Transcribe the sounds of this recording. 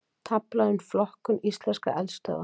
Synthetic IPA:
t̪ʰaplaðɪnflɔhkʏnist̪lɛnska̰ʔɛlst̪œ̰ːða̰

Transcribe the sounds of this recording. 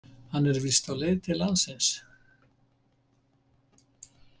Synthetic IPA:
hanɛɾvist̪aleːt̪ʰɪlansɪns

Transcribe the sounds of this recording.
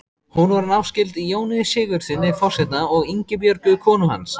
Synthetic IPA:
hunvɔɾnawscɪlt̪ijoːwnɪsɪːɣʏɾ̥θɪnːɪfɔr̥sɛt̪naɔɣiɲcɪpjœɾpʏkʰɔːnʏɦa̰ns

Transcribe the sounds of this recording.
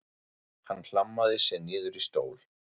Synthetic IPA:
hanːl̥amːaðɪsɛnɪːðʏɾist̪oːwl

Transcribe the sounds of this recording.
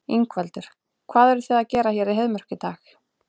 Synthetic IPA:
iŋkvɛlt̪ʏɾ̥ | kʰvaːðɛɾʏθɛðacɛːɾaçjɛɾiðɦɛðmœr̥cɪt̪aːx

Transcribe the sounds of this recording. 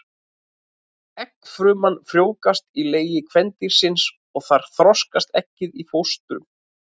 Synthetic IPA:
ɛkfɾʏːmanfɾjoːwkast̪ileːjɪkʰvɛnt̪iɾ̥sɪns | ɔɣθaɾ̥θɾɔskast̪ɛhcɪðifowst̪ɾʏ̰m

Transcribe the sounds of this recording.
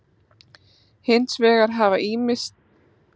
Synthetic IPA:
hɪnsvɛːɣaɾ̥ɦavaʔiːmɪst̪̚

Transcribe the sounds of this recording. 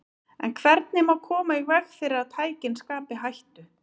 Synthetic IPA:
ɛ̰nkʰvɛɾt̪̚nɪmawkʰɔːmaiɣvɛxfɪːɾɪɾaðt̪ʰaːjcɪnskaːpɪɦajht̪ʏ

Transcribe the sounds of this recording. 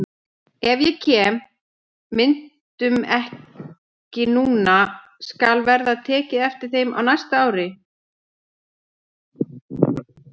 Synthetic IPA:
ɛvjɛcʰɛːmː | ɪn̥tt̪ʏmɛh | cɪnuːna | skalvɛɾðaðt̪ʰɛːcɪðɛft̪ɪɾ̥θejma̰wnajst̪aaːwɾɪ

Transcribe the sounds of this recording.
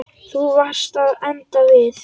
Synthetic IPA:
θuvast̪aðɛnt̪avɪθ

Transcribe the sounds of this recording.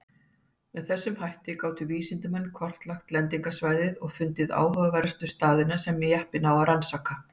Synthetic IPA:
mɛðθɛsːʏmhajht̪ɪkaːwt̪ʏviːsɪnt̪ʏmɛnːkʰɔr̥t̪laxt̪lɛnt̪iŋkasvaːjðɪðɔɣfʏnt̪ɪða̰ːwɦœɣvɛɾst̪ʏst̪aːðɪnasɛmːɛjɛhpɪnawaɾansaka

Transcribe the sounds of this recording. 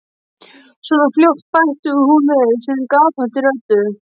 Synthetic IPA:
sɔnafljoht̪̚pajht̪ʏʏhunvɪsɛnkaːpant̪ɪɾœt̪ʏ

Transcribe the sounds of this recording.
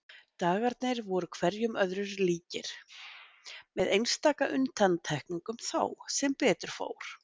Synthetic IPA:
t̪aːɣaɾt̪̚nɪɾvɔɾʏkʰvɛɾjʏmœðɾʏɾliːcɪɾ̥ | mɛðejnst̪aːkaʔʏnt̪ʰant̪ʰɛhkniŋkʏmθa̰wsɛmpɛːt̪ʏɾ̥fo̰ːwɾ̥

